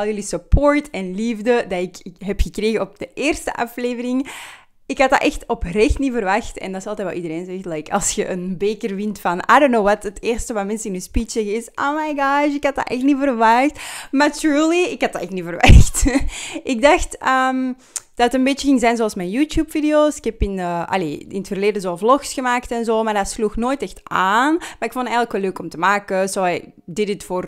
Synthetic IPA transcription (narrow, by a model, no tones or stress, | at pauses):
ɑlˠjylisəpoːɹtɛnlivdədaɪkɦɛpxəkreːɣəɔp̚d̥əʔeːrstə̰ʔɑ̰fleːvəɾɪŋ | ɪkhɑt̚a̰ʔɛxtɔprɛxtnivərʋɑxtɛ̰ndɑsɑlˠt̪ɛːt̚ʋɛ̰lˠidəɾeːnzɛxtlɛjkɑ̰lˠsxəʔənbeːkərvɪntfɑnʔa̰ːdonːowwɑtəteːrstəʋamɛnsəɪnyːspit͡ʃsɛɣəɪsʔoʊmajɡɑʃɪkhɑt̚da̰ʔɛxtnivərʋɑxtmatɹuːliɪkhɑt̚daːɛxtnivərʋaxtʔɪk̚dɑxtəːm | d̥ɑtətənbeːt͡ʃəɣɪŋzɛjnzoɑlˠsmɛjnjuːtjuːpfidioːsɪ̥khɛpɪnəːʔɑ̰lḛːɪnətfərleːdəzoːvlɔxsxəmaːktɛnzoːmardatsluxnoːjtɛxtaːnmaɾɪkfɔntɛjɣələkʋɛlːøːkɔmtəmaːkəzoː | dɪdɪtfoːr